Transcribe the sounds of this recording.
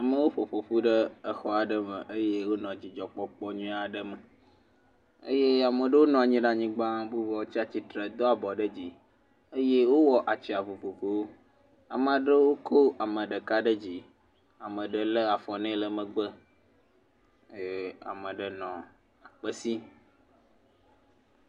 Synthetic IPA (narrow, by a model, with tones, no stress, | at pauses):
a˨mə̃˨wo˦ɸo˨ɸo˨ɸu˦ɖə˦ə˦xɔ˦a˨ɖə˦mə̰˨ʔə˦je˦wo˦nɔ̃˨d͡ʑi˨d͡ʒɔ˨k͡pɔ˦k͡pɔ˦ɲũ˦a˨ɖə˦mə˨ | ə̰˦je˦a˨mə˨ɖə˦wo˦nɔ̃˨a˨ɲĩ˦ɖa˨ɲĩ˦ɡ͡bã˦bu˦vɔ˨wo˦t͡ɕi˦a˨t͡ɕi˦t̪ɾe˨d̪ɔ˦a˨bɔ˨ɖə˦d͡ʑi˨ | ə˦je˦wo˦wɔ˨ʔa˨t͡ɕi˨a˨vu˨ɸo˨vo˨wo˦ | a̰˨mə̃˨a˨ɖə˦wo˦kʰo˦a˨mə̃˨ɖə˨ka˦ɖə˦d͡ʑi˨ | a˨mə̃˨ɖə˦lə˦a˨fɔ˨nɛ̃˦lə˨mə̃˨ɡ͡bə˦˨ | a̰˨mə̃˨ɖə˨nɔ̃˨ | a˨k͡pə˦si˦